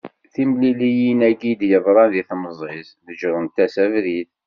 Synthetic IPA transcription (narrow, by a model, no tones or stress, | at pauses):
θimlilijinæɡid̪jəðˤɾˤɑnðiθməzˤɪsðəd͡ʒɾˤʊnt̪æsævɾið